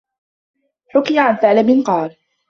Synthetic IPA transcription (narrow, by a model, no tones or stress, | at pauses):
ħʊkɪjaʕanθaːlɪbɪnqɑːl